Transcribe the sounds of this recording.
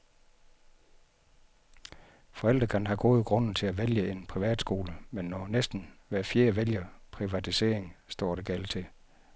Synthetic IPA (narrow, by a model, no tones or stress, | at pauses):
fɒ̽el̰d̥ʁɐɡ̥ɑnɦɑ̈ɡ̥ɔːð̩ˠɡ̥ʁɔ̽n̰n̩t͡sʰe̝æʋeljəe̝npʰʁiʋæ̰ːd̥sɡ̥o̝ːləmenːɒnesd̥n̩ʋæɐfje̝ːɐʋeljɐpʰʁiʋæt͡sʰise̝̰ːɐ̰e̝ŋsd̥ɒ̰ːɾ̥eɡ̥ælt͡sʰe̝